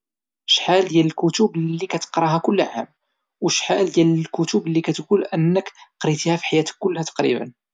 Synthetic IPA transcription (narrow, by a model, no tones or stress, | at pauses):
ʃħald̪jæləlkʊt̪ʊblːikæt̪ə̥qɾˤɑɦækʊlːʕa̰m | wəʃħald̪jæləlkʊt̪ublːikæt̪ɡulʔənːəkqɾit̪ihæfi̥ħajæt̪ə̥kːʊlːhæt̪ɑ̥qɾḭbə̰n